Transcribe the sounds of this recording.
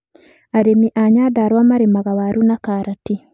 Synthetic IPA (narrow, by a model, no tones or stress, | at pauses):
aɾemiʔaɲadaɾwamaɾemaɣawaɾunakaɾati